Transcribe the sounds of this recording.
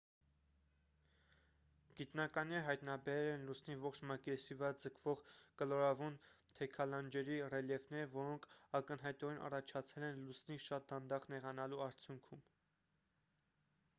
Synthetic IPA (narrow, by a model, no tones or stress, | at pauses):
ɡ̥it̪nɑkɑnɛɾɦɑjt̪nɑbɛɾɛlɛnlusnivɔχt͡ʃʰmɑkɛɾsivəɾɑd͡zəkʰvɔʁkəlɔɾɑvunt̪ʰɛkʰɑlɑnd͡ʒɛɾirɛljɛvnɛɾvɔɾɔŋkʰɑkənɦɑjt̪ɔɾɛnʔɑ̰rɑt͡ʃʰɑt͡sʰɛlɛnlusniʃɑt̪̚d̪ɑnd̪ɑʁnɛʁɑnɑluɑɾt͡sʰjuŋkʰum